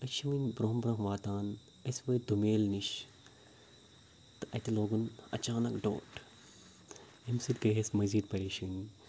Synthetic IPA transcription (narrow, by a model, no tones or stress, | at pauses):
ɐt͡ʃʰiʋɨnʲbɾoɦmbɾɐɦʋaːt̪aːn | ɐsʋɐːd̪umeːlniʃ | t̪ɨʔɐ̰t̪iloːɡunɐ̰t͡ʃaːnɐkɖo̰ːʈ | emsɨd̪kɐɦɐsmɐziːd̪̚pɐɾiːʃuːnʲ